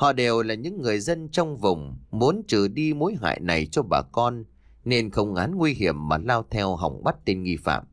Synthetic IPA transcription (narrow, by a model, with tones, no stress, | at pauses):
hɔ̰˧˨ɗe˨˩wlaː˨˩ɲɨ̰˧˥ŋːɨ˨˩əjzə˧nt͡ɕɔ˧wŋ͡mvʊ˨˩wŋ͡mmu˨˦ənt͡ɕɨ˨˩ɗi˧mo˨˦jɦa̰ː˧˨jna˨˩jt͡ɕɔ˧ɓaː˨˩kɔ˧nː | e˧nxə˧wŋ͡mʔa˨˦nŋwi˧ɦi˨˩əmːaː˨˩laː˧wt̪ʰɛ˧wɦa̰˨˩wŋ͡mɓa˦˥t̚t̪e˧nŋi˧fa̰ː˧˨m